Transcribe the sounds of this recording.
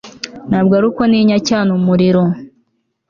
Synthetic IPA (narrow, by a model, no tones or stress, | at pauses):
naːbɡaɾukoniːɲacaːnumuɾiɾo